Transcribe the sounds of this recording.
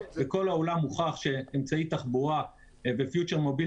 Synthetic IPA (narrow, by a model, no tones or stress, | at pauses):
veko̞laolamuχaχʃe̞emt͡sait̪aχbuʁa | vefjut͡ʃeʁmo̞bi